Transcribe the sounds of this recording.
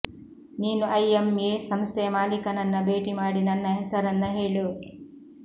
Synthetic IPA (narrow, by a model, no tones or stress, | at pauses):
niːnuʔɐjemeːsɐmst̪ʰɛmaːlikɐnɐnːɐbʱe̞ːʈimaːɽinɐnːɐɦɛsɐɾɐnːɐɦeːɭu